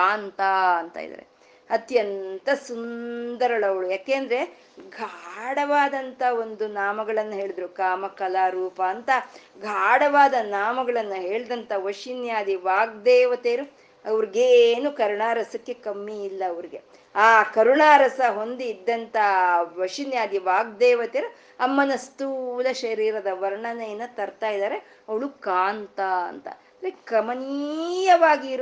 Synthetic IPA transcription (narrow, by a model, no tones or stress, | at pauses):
aːnt̪aːɐnt̪a̰ːj̰d̪ɐ̰ɾḛ | ɐt̪jɐnt̪ɐsund̪ɐɾɐɭɐʋɐɭujaːkeːnd̪ɐɾe | ɡʱaːɽɐʋaːd̪ɐnt̪ɐo̞nd̪unaːmɐɡɐɭɐnːuɦe̞ːɭid̪ɐɾukaːmɐkɐlaːɾuːpɐːnt̪ɐɡʱaːɽɐʋaːd̪ɐnaːmɐɡɐɭɐnːuɦe̞ːɭd̪ɐnt̪ɐʋɐʂinjaːd̪iʋaːɡ̚d̪eːʋɐt̪eːɾu | ɐʋɐɾiɡeːnukɐɾuɳaːɾɐsɐkːe̞kɐmːiːlːɐːʋɐɾiɡe̞ | aːkɐɾuɳaːɾɐsɐɦo̞nd̪iːd̪ːɐnt̪ɐʋɐʂinjaːd̪iʋaːɡ̚d̪ɛːʋɐt̪eːɾu | ɐmːɐnɐst̪uːlɐʃɐɾiːɾɐd̪ɐʋɐɾɳɐnɐjɐnːɐt̪ɐɾt̪aːjid̪aːɾe | ɐʋɐɭukaːnt̪aɐ̰nt̪ɐ̰ | nɾekɐmɐniːjɐʋaːɡiːɾ